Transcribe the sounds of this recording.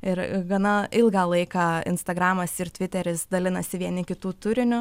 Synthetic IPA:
ɪɾɡɐnɐɪlˠɡɑːlˠɐɪkɑɪ̰nst̪ɐɡɾɑːmɐsɪrt̪ʲʋʲɪt̪ʲɛɾʲɪsd̪ɐlʲɪnɐsʲɪʋʲiɛnʲɪkʲɪt̪uːt̪ʊɾʲɪnʲʊ

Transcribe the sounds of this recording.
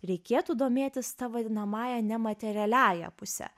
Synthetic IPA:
ɾʲɛɪkʲeːt̪uːd̪oːmʲeːt̪ʲɪst̪ɑːʋɐnɐmɑːjɛnʲɛmɐt̪ʲɛɾʲɪɛlʲæːjɛ̰pʊsʲɛ̰

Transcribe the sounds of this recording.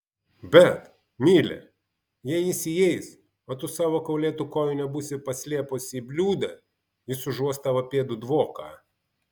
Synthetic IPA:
bʲɛt̪ | mʲiːlʲɛ̰ | jijɪsʲijɛɪs | oːt̪ʊsɑːʋoːkɐʊlʲeːt̪ukoːjʊnʲɛbuːsʲɪpɐsʲlʲiɛpʊsibʲlʲuːd̪ɐ | jɪsʊʒuɔst̪ɑʋɐpʲeːd̪ʊd̪ʋoːkɑ̰ː

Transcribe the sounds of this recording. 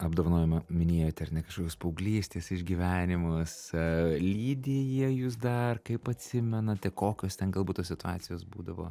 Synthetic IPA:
ɐbd̪oːʋɐnoːjɛmɐmʲɪnʲeːjoːt̪ʲɐrnʲɛkɐʃkoːkʲoːspɐʊɡlʲiːsʲt̪ʲeːsɪʒʲɡʲiːʋʲæːnʲɪmʊslʲiːd̪ʲejɛjʊs̬d̪ɐrkɐɪpɐt̪ʲsʲɪmʲɛnɐt̪ʲɛkoːkʲoːst̪ʲɛnɡɐlˠbuːt̪oːsʲɪt̪ʊɑːtt͡s̪ʲɪjoːsbuːd̪ɐʋo̰ː

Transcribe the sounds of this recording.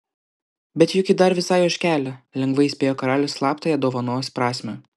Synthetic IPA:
bʲɛt̪jʊkʲɪd̪ɐɾʋʲɪsɑːjoːʃʲkʲæːlʲɛlʲɛŋɡʋɐɪɪsʲpʲeːjoːkɐɾɑːlʲɛslˠɑːpt̪ɐjɛd̪oːʋɐnoɔspɾɑːsʲmʲɛ

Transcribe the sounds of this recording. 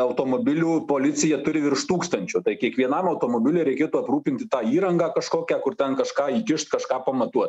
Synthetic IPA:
ɐʊt̪oːmoːbʲɪlʲuːpoːlʲɪsʲɪjɛt̪ʊɾʲɪʋʲɪrʃt̪uːkst̪ɐnʲt͡ʃʲʊt̪ɐɪkʲiɛkʋʲiɛnɐmɐʊt̪oːmoːbʲɪlʲɛːɾʲɛɪkʲeːt̪uːɐpruːpʲɪnʲt̪ʲɪt̪ɑːiːɾɐŋɡɑːkɐʃkoːkʲæːkʊɾt̪ʲɛnkɐʃkɑːiːkʲɪʃt̪kɐʃkɑːpɐmɐt̪uɔt̪

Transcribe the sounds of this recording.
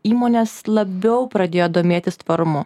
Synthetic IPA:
iːmoːnʲeslˠɐbʲɛʊpɾɐd̪ʲeːjoːd̪oːmʲeːt̪ʲɪst̪ʋɐɾʊmʊ

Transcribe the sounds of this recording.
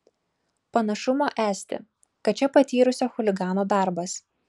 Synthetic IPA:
pɐnɐʃʊmoːʔæːsʲt̪ʲɪ̰ | kɐt̪t͡ʃʲɛpɐt̪ʲiːɾʊsʲoːxʊlʲɪɡɑːnoːd̪ɑˑɾbɐs

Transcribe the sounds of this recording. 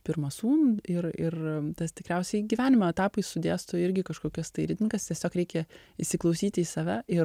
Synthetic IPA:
pʲɪɾmɐsuːnɪrɪrt̪ɐst̪ʲɪkɾʲɛʊsʲɛɪɡʲiʋʲæːnʲɪmoɛt̪ɑːpɐɪsʊd̪ʲeːst̪oɪɾʲɡʲɪkɐʃkoːkʲɛst̪ɐɪɾʲɪd̪ʲnʲɪŋkɐst̪ʲiɛsʲoːkɾʲɛɪkʲɛ | ɪʃʲsʲɪklˠɐʊsʲiːt̪ʲiːsɑːʋʲæɪ

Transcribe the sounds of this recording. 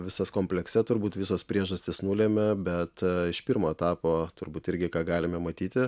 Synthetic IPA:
ʋʲɪsɐskoːmʲpʲlʲɛksʲɛt̪ʊɾbuːt̪ʋʲɪsoːspʲɾʲiɛʒɐsʲt̪ʲɪsnuːlʲeːmʲɛbʲɛt̪ɪʃpʲɪɾmoːɛt̪ɑːpoːt̪ʊɾbuːt̪ɪɾʲɡʲɪkɑːɡɑːlʲɪmʲɛmɐt̪ʲiːt̪ʲɪ

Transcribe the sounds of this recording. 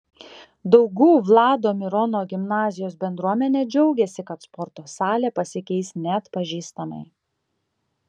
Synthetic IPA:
d̪ɐʊɡuːʋlˠɑːd̪oːmʲɪɾɔnoːɡʲɪmnɑːzʲɪjoːsbʲɛnd̪ɾuɔmʲɛnʲeːd͡ʒʲɛʊɡʲeːsʲɪkɐt̪spɔɾt̪oːsɑːlʲeːpɐsʲɪkʲɛɪsnʲɛɐt̪pɐʒʲiːst̪ɐmɐ̰ɪ

